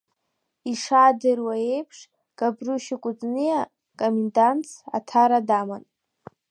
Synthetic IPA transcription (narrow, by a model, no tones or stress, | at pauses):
iʂadɨrwae̞jpʰʂ | ɡ̥ʼabruʃɪkʷʼʊt͡sʼnija | kʼomendant͡sʰa̰tʰaɾadaman